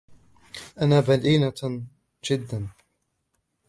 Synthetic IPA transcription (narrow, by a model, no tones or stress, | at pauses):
ʔanaːbaliːna | d͡ʒɪd̪ːan